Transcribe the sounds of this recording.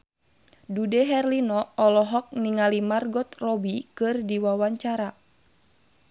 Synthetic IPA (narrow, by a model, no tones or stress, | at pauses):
dudɛɦɛrlinɔɔlɔɦɔk̚niŋalimarɡɔt̪rɔbikɨrdiwawaɲt͡ʃaɾa